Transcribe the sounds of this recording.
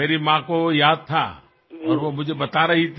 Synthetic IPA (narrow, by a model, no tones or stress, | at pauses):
meːɾimãkojaːd̪̚t̪ʰa̰ | ɔːɾʋomʊd͡ʒʱebɐt̪aɾɐɦit̪ʰ